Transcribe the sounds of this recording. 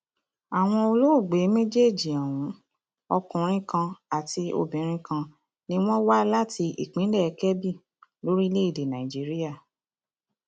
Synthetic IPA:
a˨w̃ɔ̃˧o˧lo˦o˦˨ɡ͡be˨˦me˦d͡ʒe˦˨d͡ʒi˨ɛ̃˨wũ˨˦ | ɔ˧kũ˨˦ɾ̃ĩ˦kã˧a˨ti˧o̰˧˨bĩ˨˦ɾ̃ĩ˧˦kã˧ | nĩ˦w̃ɔ̃˦wa˦la˦ti˧ḭ˨k͡pĩ˨˦lɛ˦˨ɛ˧kɛ˦bi˦˨ | lo˦ɾi˦le˦i˦˨de˨nã˨i˨d͡ʒi˨˦ɾi˦ja˦˨

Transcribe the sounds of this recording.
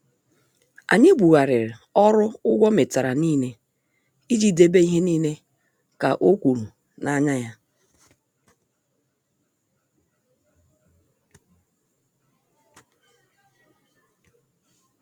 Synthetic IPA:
a̰˨ɲe˦bʷu˨ɣa˨ɾɪ˨ɾɪ˨ɔ˦ɾʊ˦ʊ˦ɡʷɔ˦me˨ta˨ɾa˨niː˦ne˦ | i˦d͡ʒi˦de˦be˦i˦ɦe˦niː˦ne˦ | ka˨ʔo˦kʷu˨ɾu˨ | na˦ɲa˦ja˦

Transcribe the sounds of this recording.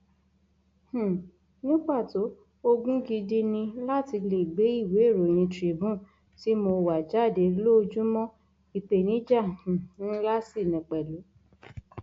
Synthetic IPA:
h̩˦˨ | nĩ˦ɡ͡ba˦˨to˨˦ | o˦ɡũ˦ɡi˧di˦nĩ˧la˦ti˧le˨ɡ͡be˨˦i˦˨we˨˦˨ɾo˨j̃ĩ˧tɾi˨˦bũ˦˨ | ti˨˦mo˧wa˨d͡ʒa˦˨de˨˦lo˦˧d͡ʒũ˦mɔ̃˦ | i˨te˨nĩ˨˦d͡ʒã˦˨˦la˦si˦˨nĩ˨k͡pɛ˨lo˨˦

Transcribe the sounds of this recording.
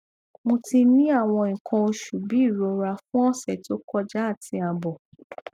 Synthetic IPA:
mõ˧ti˧nĩ˦a˦˨w̃ɔ̃˧ĩ˨kʰã˧o˧ʃu˨bi˨˦˨ɾo˧ɾa˧fũ˦ɔ˦sɛ˦˨to˦kɔ˦d͡ʒa˦a˦˨tʰĩ˧a˨bɔ˨

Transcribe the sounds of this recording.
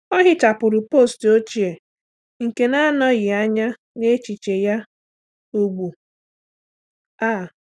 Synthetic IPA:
ɔ˦ɦɪ˦t͡ʃa˨pʊ˨ɾʊ˨po˦˨sto˦t͡ʃi˨e˨ | ŋ̩˨ke˨na˦nɔ˦ɣɪ˨a˦ɲa˦ | ne˦t͡ʃi˨t͡ʃe˨ja˦ | u˦ɡ͡bu˨ | aː˦˨

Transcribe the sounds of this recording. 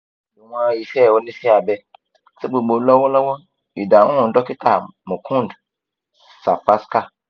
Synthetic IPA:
bu˨wã˦˨ji˨fɛ˦˨wo˦nĩ˦si˦a˨bɛ˨ | sɛ˦ɡ͡bo˨ɡ͡bo˨˦lɔ˦wɔ˦lɔ˦wɔ˦ | i˨da˨wɔ̃˦˨˦dɔ˦kɪ˦tʰa˨mũ˨kʰũ˦n˨d | sa˨fa˦ska˦

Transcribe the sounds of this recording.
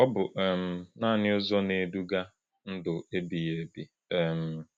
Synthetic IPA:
ɔ˦bʊ˨ʔɛ˨m̩˨˦naː˦˨nɪ˦ʊ˦zɔ˦ne˨du˦ɡa˦ | n̩˦dʊ˨e˦bi˨je˨bi˨ | m̩˨

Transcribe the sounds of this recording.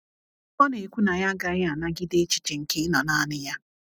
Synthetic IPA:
ɔ˦ne˨kʷu˦na˨ja˦ɡa˨ɾɪ˦a˨na˦ɡɪ˦de˦t͡ʃi̥˨t͡ʃe˨ŋ̩˨ke˦ɪ˦nɔ˨na˦nɪ˦ja˦

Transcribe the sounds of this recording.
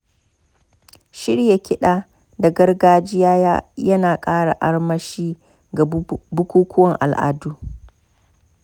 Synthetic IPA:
ʃɪ˦ɽja˨kʲɪ˦ɗaː˦ | da˨ɡɐ˦rɡaː˦d͡ʒɪ˦jaː˦ja˦jɐ˦naː˨kʼaː˦ɽa˨ʔa˦ɽmɐ˦ʃiː˦ | ɡa˨bʊ˦kʷuː˦kʷʰʊ˦wɐ˨ŋʔa̰˨lʔa̰ː˨duː˦

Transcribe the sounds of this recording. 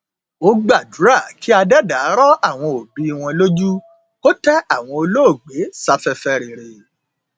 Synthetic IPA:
o˦ɡ͡ba˦˨du˨˦ɾa˦˨kʰi˦a˧dɛ˦da˨˦ɾɔ˦a˦˨w̃ɔ̃˧o˨bi˨˦i˧w̃ɔ̃˧lo˦d͡ʒu˦ | ko˦tɛ˦a˦˨w̃ɔ̃˧o˧lo˦o˦˨ɡ͡be˨˦sa˧fɛ˧fɛ˧ɾe˨ɾe˨

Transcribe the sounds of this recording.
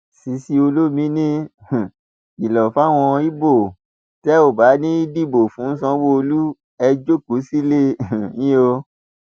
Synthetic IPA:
si˨˦si˧o˧lo˦mĩ˨˦nĩ˦˨ | i˨lɔ˨fa˦˨w̃ɔ̃˧i˦bo˦˨ | tɛ˦o˦˨ba˨˦nĩ˦i˦di˦˨bo˨fũ˨˦n̩˦sã˧˦wo˦o˧lu˦ | ɛ˧d͡ʒo˦ku˨˦si˦le˦˨ɲĩ˦o˧

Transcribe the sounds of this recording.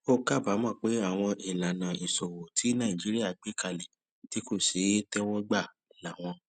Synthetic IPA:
o˦ka˦˨ba˨˦mɔ̃˦˨k͡pe˨˦a˦˨w̃ɔ̃˧ʔi˨la˨nã˨i˨so˨wo˨tʰi˨˦nã˦˨ĩ˨d͡ʒi˦ɾi˦a˦˨ɡ͡be˦˨ka˧lɛ˨ | ti˨˦ko˦˨se˨˦tɛ˦wɔ˦ɡ͡ba˦˨ | la˨w̃ɔ̃˧

